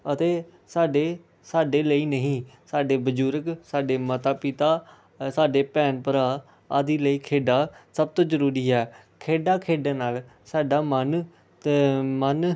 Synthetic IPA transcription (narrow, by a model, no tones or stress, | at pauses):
ət̪eː | saːɖeː | saːɖeːləiːnəɦĩːsaːɖeːbəd͡ʒuːɾəksaːɖeːmət̪aːpɪt̪aː | saːɖeːpɛːnpəɾaː | aːd̪iːləiːkʰeːɖaːsəb̚t̪õːzəɾuːɾiːɛː | kʰeːɖaːkʰeːɖeːnaːl | saːɖaːmən | mən